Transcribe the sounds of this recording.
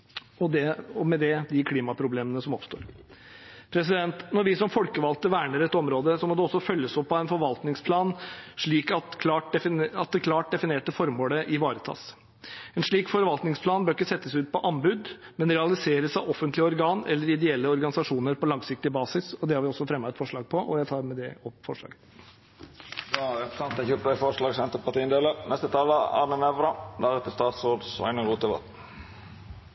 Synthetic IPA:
ɔd̪ɛɔmɛd̪ɛd̪ɪkʰliːmɑpʰɾʊbleːmənəsɔmɔpst̪o̰ːɾ | pʰɾɛs̬ɪd̪ɛnt̪nɔɾʋɪsɔmfɔlkəʋɑlt̪əʋæːɳəɾɛt̪ːɔmɾoːd̪əsɔmɔd̪ɛɔsːɔfœlːəsɔpːɑæɪnfɔɾʋɑlt̪nɪŋspʰlɑːnʂɭiːkɑt̪kʰlɑːʈ̚ɛɑt̪̚d̪ɛkʰlɑːʈ̚d̪ɛfɪneːʈəfɔɾmoːləʔɪʋɑːɾət̪ʰɑ̰ːs | ɛnʂɭiːkfɔɾʋɑlt̪nɪŋspʰlɑːnbøɾkːəsɛt̪ːəsʉːt̪̚pʰɔʔɑmbʉːd̪mɛnɾɛɑlɪseːɾəsɑʋɔfːənt̪lɪəɔɾɡɑːnɛ̰lːəɾɪd̪ɛɛlːəɔɾɡɑnɪsɑʂuːnəɾpɔlɑŋsɪk̚t̪ɪbɑːsɪsɔd̪ɛhɑɾʋɪɔsːɔfɾɛmːɑɛt̪fɔʂɭɑːɡ̚pʰɔʔɔ̰jæɪt̪ʰɑːɾmɛd̪ɛɔpːfɔʂɭɑ̰ːɡə | jɑɛpə̥sɑnt̪ɛçʉpt̪æɪfɔʂlɑːɡsɛnt̪əpɑʈ̪iːənd̪eːlənɛst̪ət̪ʰɑːləɑ̰ːnənɛʋɾɑd̪æɾɛt̪əst̪ɑːt̪soːd̪sɑ̰ɪnəʁuːt̪əʋɑ̰t̪

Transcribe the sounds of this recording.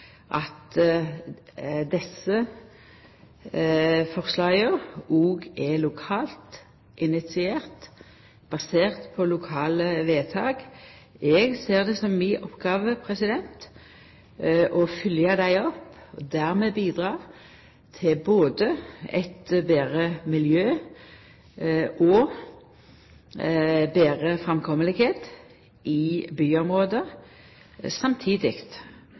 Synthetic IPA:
ʔɑt̪ | d̪ɛsə | fɔʁslɑːɡəuːɡɛlʊkʰɑːlt̪ | ʔɪnɪt̪sɪeːʁt̪ | b̥ɑseːʁt̪pʰɔlʊkʰɑːləʋeːt̪ʰɑːɡ | ɛɡseːʁd̪ɛsɔmːiːʔɔpːɡɑːʋəpʰʁɛsɪd̪ɛnt̪ | ʔɔfʏljəd̪æɪɔpɔd̪æːʁmeːbiːd̪ʁɑːʁ | t̪ʰɪboːd̪əɛt̪beːʁəmɪljøː | ʔɔ | beːʁəfʁɛmkʰɔməlɪɡheːt̪ | ʔɪbyːɔmʁoːd̪ə | sɑmt̪ʰiːd̪ɪkt̪

